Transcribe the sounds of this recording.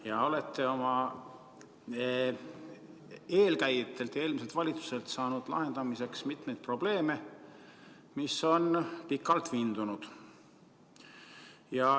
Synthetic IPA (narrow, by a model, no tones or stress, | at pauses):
jɑo̞le̞t̪ːˑe̞o̞mɑ | e̞ːlkæjt̪ːˑe̞lt̪e̞ːlmise̞lt̪vɑlʲit̪su̥se̞lt̪sɑːnud̪̥lɑ̰ɦe̞nd̪̥ɑmise̞ksmit̪me̞jd̪̚pro̞b̥le̞ːme̞ | miso̞npikːˑɑlt̪viːnd̪̥unud̪̥ | jɑ